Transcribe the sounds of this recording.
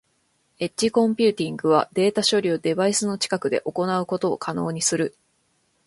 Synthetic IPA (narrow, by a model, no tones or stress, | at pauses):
e̞t͡ɕːikõ̞mpʲɨːt̪ʲĩŋɡɯ̟β̞a̰d̪e̞ːt̪aɕo̞ɾʲiod̪e̞baisɨno̞t͡ɕi̥kakɯ̟d̪e̞̰ʔo̞ko̞naɯ̟ko̞t̪o̞̰ːkʰano̞ːɲ̟isɨɾɯ̟